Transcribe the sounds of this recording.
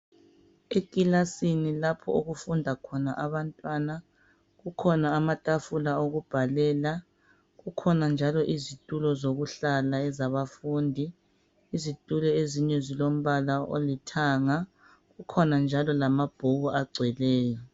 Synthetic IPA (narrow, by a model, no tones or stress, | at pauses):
ekʼilasinilapʰɔ̰oɣufundʱakʰɔnaʔaβantʼwana | ɣukʰɔnaːmatʼafulaoɣub̥ʱalɛːla | ɣukʰɔnand͡ʒʱalɔʔizitʼulɔzoɣuɬalaɛzaβafuːndʱiː | zitʼulɛeziɲɛzilom̩βalao̰litʰaŋa | ɣukʰɔnand͡ʒʱalɔlamab̥ʱoɣuaɡ͡ǀʱwɛlɛːjɔ